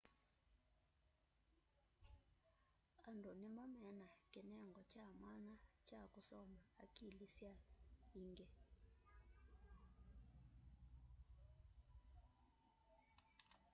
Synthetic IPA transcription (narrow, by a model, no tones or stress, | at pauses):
andʱɔnimamɛnakɛnɛŋɡʱɔt͡ʃʰʼamanat͡ʃʰakusɔmaakʼilisjaiːŋɡɛ